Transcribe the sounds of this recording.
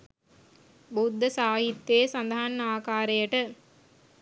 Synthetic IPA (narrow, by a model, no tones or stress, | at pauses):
bud̪ʱːɐsaːɦit̪ːeːsɐnd̪ɐɦɐnnaːkaːɾɐjɐʈɐ